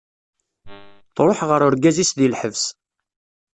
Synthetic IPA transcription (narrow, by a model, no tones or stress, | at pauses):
t̪ɾˤoħʁəɾʊɾɡæzisðilħəvs